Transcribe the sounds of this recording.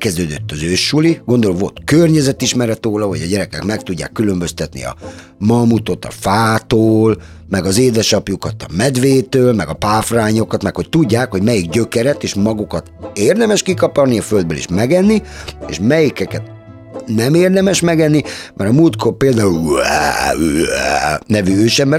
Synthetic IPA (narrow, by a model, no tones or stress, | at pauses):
kɛzd̪øːd̪øt̪ːɒzøːʃːuliɡond̪oloʋo̞̰lt̪kørɲɛzɛt̪iʃmɛɾɛt̪oːlɒɦo̰ɟɒɟɛɾɛkɛkmɛkt̪uɟːa̰ːkːylø̞mbø̞st̪ɛt̪nḭɒ̰ | mɒmut̪o̞t̪ɒ̰faːt̪oːl | mɛɡɒzeːd̪ɛʃɒpjukɒt̪ɒmɛd̪ʋeːt̪øːlmɛɡɒpaːfraːɲo̞kɒt̪mɛkhoc̚t̪uɟːaːkho̞ɟmɛjiɡɟøkɛɾɛt̪eːʃmɒɡukɒt̪eːrd̪ɛmɛʃkikɒpɒrniɒføld̪̚bølḭʃmɛɡɛnːiḛːʃmɛjikɛkɛt̪ | nɛmeːrd̪ɛmɛʃmɛɡɛnːimʔɛɾɒmuːlt̪kʰorpeːld̪aːul̰ː | nɛvyøːʃɛmbɛ